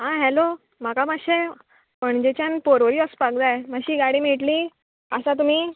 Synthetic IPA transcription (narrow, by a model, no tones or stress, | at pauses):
ɦãɦɛlo | makamaɕe | pəɳd͡ʑet͡ɕjanpoɾʋəɾiːəspaɡd̪ajmaɕiːɡaɽiːmiʈliː | əsat̪̬um̤iː